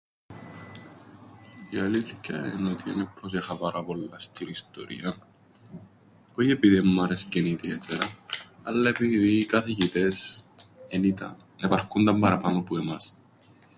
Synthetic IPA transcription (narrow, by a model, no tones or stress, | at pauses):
iɐliθi̥cḛḛnot̪iḛnepɾos̬exɐpɐɾɐpo̞lːɐst̪iɾist̪o̞̰ɾḭɐn | oçie̞piðimːɐɾesceniðiet̪eɾɐɐlːɐe̞piðiːkɐθiʝit̪es | enit̪ɐ̰n | epɐɾkund̪ɐmbɐɾɐpanopuemɐs